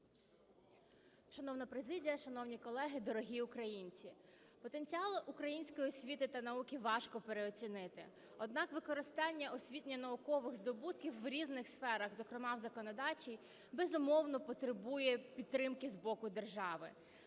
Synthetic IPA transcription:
ʃɐnɔwnɐpɾezɪdʲijɐʃɐnɔwnʲikɔlˠɛɦɪd̪ɔɾɔɦʲiʊkɾɐjinʲt͡sʲi | pɔt̪enʲt͡sʲiɑlˠɪʔukɾɐjinʲsʲkɔjiɔsʲʋʲit̪ɪt̪ɐnɐukʲiʋɑʃkɔpeɾeɔt͡sʲinɪt̪ɪ̰ | ɔd̪̚nɑkʋɪkɔɾɪst̪ɑnʲːɐʔɔsʲʋʲit̪ʲnʲɐnɐukɔʋɪɣzd̪ɔbut̪kʲiwːɾʲiznɪxsfɛɾɐɣzɔkɾemɑwzɐkɔnɔd̪ɑt͡ʃʲij | bezʊmɔwnɔpɔt̪ɾɪbujɛpʲidt̪ːɾɪmkɪzbɔkʊd̪erʒɑʋɪ̰

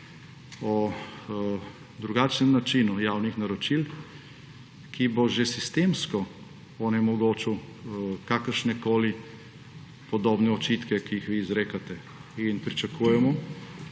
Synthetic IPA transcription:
ɔ | d̪ɾuɡaːt͡ʃnɛmnat͡ʃinujaːwnixnaɾɔt͡ʃil | kʰiboʒesist̪eːmskɔ | ɔnɛmɔɡoːt͡ʃu | kakəɾʃnɛkoːli | pɔd̪oːbnɛɔt͡ʃit̪kɛkiixʋiːzɾeːkat̪ɛ | inpɾit͡ʃakuːjɛmɔ

